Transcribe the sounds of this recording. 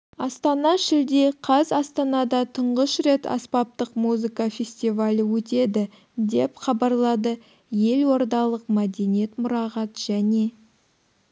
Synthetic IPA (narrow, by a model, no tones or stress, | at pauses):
ɑst̪ɑnɑʃɪld̪e̞qʰɑzɑst̪ɑnɑd̪ɑt̪ʰəɴʁəʃɾe̞t̪ɑ̰spɑp̚t̪əqmuzɨkafʲe̞sʲt̪ʲivalʲəwɵt̪e̞d̪ɪ | d̪e̞pχɑbɑɾlˠɑd̪ə | je̞lwo̞ɾd̪ɑlˠəqmæd̪enijet̪mʊɾɑʁɑt̪ʒ̥æne̞